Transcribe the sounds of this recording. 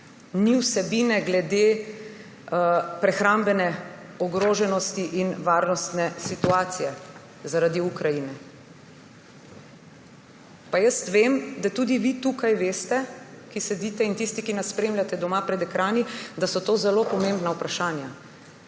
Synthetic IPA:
niwsɛbiːnɛɡlɛd̪e | pɾɛxɾambɛnɛ | ɔɡɾoːʒɛnɔst̪iʔinʋaːɾnɔst̪nɛsit̪uaːt̪sijɛ | zaɾad̪iukɾajinɛ | pajəst̪ʋemd̪at̪ud̪iʋit̪ukajʋeːst̪ɛkisɛd̪iːt̪ɛint̪ist̪ikinaspɾemlʲjʲat̪ɛd̪ɔmapɾɛd̪ɛkɾaːnid̪asɔt̪oːzɛloːpɔmẽmbnaupɾaʃaːnja

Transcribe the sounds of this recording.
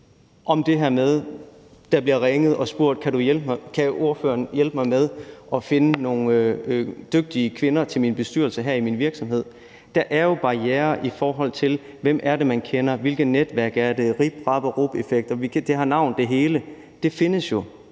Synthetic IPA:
ʔɒ̽md̥e̝ɦæɐ̰með̞ˠ | d̥ɑ̈b̥liɐʁɛŋð̞̩ˠɒ̽sb̥uɐ̰d̥̚kʰæɾujelb̥mkʰæo̝ɐfø̰ːɐnjelb̥mɑ̈ɪmeð̞ˠʔɒ̽fe̝nəno̝ːn | d̥øɡ̥̚d̥iəkʰʋe̝nɐt͡sʰe̝lminb̥e̝sd̥yɐl̩səɦæɐ̰iminʋiɐɡ̥sɒ̽mɦe̝ð̞̰ˠ | d̥æʔæɐjo̝b̥ɑ̈jeːɐʔifɒːɦɒ̽l̰t͡sʰe̝l | ʋem̰ʔæɐɾe̝mænkʰenɐʋe̝lɡ̥ð̩ˠned̥ʋæɐɡ̥æɐd̥e̝ʁib̥ʁɑ̈b̥ɐʁob̥efeɡ̥̚d̥ɐʋid̥e̝ɦɑ̈nɑ̈ʊ̰nd̥e̝ɦe̝ːlə | d̥e̝fe̝nəsjo̝

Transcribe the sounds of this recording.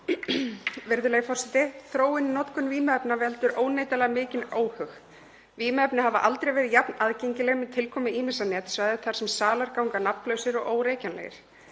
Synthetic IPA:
vɪɾðʏleːɣfɔr̥sɛt̪ɪθɾoːwɪninɔt̪kʏnviːmɛpnavɛlt̪ʏɾʔoːwneːjt̪alɛɣmɪːcɪnoːwhʏx | viːmɛpnɪhavaʔalt̪ɾejvɛɾɪðjapnaðceɲcɪlɛɣmɛðt̪ʰɪlkʰɔːmɪiːmɪsanɛːt̪svajðɪθaɾ̥sɛmsaːlaɾkawŋkanapnlœːɥsɪɾɔɣoːwɾeːjcanlɛ̰ɣɪ̰ɾ̥

